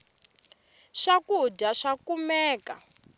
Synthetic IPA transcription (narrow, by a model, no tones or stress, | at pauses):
ʂakuɟaʂakumɛːka